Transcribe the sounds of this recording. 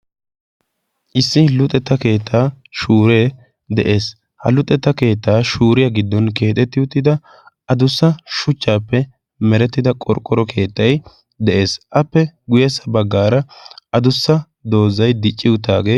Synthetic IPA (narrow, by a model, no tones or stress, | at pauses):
ʔɪsːɪlʊt̪ʼɛt̪ːɐke̞ːt̪ʰːaː | ʃuːɾe̞ː | d̪ɛʔe̞ːs | hɐ̰lʊt̪ʼːɛt̪ːɐke̞ːt̪ːaːʃuːɾɪjɐɡɪd̪ːɔnke̞ːt̪ʼɛt̪ːɪʊt̪ːɪd̪ɐ | ɐd̪ʊsːɐʃʊt͡ʃːaːpːɛ | mɛɾɛt̪ːɪd̪ɐkʼɔ̰ɾkʼɔɾɔkʰe̞ːt̪ːɐj | d̪ɛʔe̞ːsʔɐpːɛɡʊjɛsːɐbɐɡːaːɾɐɐd̪ʊsːɐ | d̪o̞ːzːɐjd̪ɪt͡ʃʼːɪwʊt̪ːaːɡeː